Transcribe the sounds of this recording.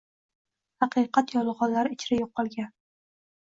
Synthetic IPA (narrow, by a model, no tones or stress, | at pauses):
hɑqʰɨqʰɑt̪jɒlˠʁɒnlaɾɪt͡ʃʰɾajoqːɒlˠɡʲan